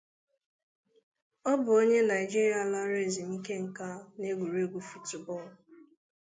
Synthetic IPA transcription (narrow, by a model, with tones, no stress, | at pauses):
ɔ˦bʊ˨o˦ɲe˦na˨i˨d͡ʒi˦ɾja˨la˦ɾe˦˨zi˨ŋ̩˦ke˦ŋ̩˨ka˦ne˦ɡʷu˨ɾu˦e˦ɡʷu˦fu˦tu˨bɔ˦˨l